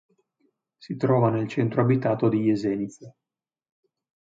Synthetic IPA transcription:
sit̪ɾɔːvanelt͡ʃɛnt̪ɾoabit̪aːt̪od̪ijezɛnit̪se

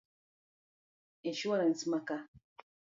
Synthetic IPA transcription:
eʃuwaɾansmaka

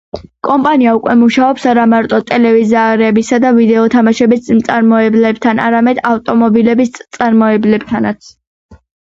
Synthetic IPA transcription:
kʼɔmpʼaniaukʼwɛmuʃaɔpsaɾamaɾt̪ʼɔt̪ʼɛlɛvizaːɾɛːbisad̪avid̪ɛɔt̪ʰamaʃɛbismt̪sʼaɾmɔɛblɛb̚t̪ʰana̰ɾamɛd̪avt̪ʼɔmɔbilɛbistt̪sʼaɾmɔɛblɛb̚t̪ʰanat̪sʰ

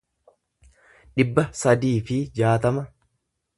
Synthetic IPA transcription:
ᶑɪbːɐsɐd̪iːfɪd͡ʒaːt̪ɐmɐ

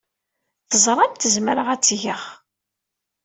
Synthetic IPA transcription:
θəzˤɾˤɑmt̪əzmɾəʁæt͡sːʝəχ

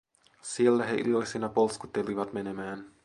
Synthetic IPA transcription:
sielːæɦeʔḭlo̞jsinɑpolskut̪ːeliʋɑt̪me̞ne̞mæːn

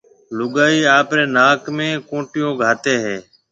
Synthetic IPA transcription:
lʊɠaːiːaːpɾeːnaːkmẽːkõːʈɪjõːɡʱaːt̪eːɦeː

